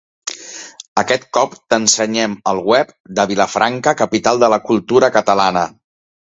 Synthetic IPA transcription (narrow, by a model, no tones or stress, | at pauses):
əkɛt̪̚kɔpt̪ənsəɲɛməlˠwɛp̚d̪əβiləfɾʔaŋkəkəpit̪alˠd̪ələkulˠt̪uɾəkət̪əlanə